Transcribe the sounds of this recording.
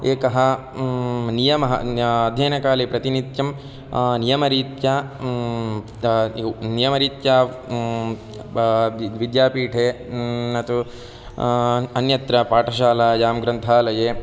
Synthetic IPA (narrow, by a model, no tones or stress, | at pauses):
eːkɐɦɐ | nijɐmɐɦɐ̰ɐd̪ʱjeːnɐkaːlepɾɐt̪init̪jɐm | nijɐmɐɾiːt̪jaː | nijɐmɐɾiːt̪jaː | ʋid̪jaːpiːʈʰeːnɐt̪u | ɐnjɐt̪ɾɐpaːʈʰɐʃaːlad͡ʒaːmɡɾɐnt̪ʰaːlɐjeː